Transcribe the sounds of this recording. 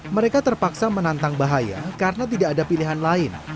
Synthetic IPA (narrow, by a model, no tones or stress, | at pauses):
məɾekat̪ərpaksamənant̪aŋbaɦaja̰kaɾənat̪̬idaʔːdapiliɦanlaɪn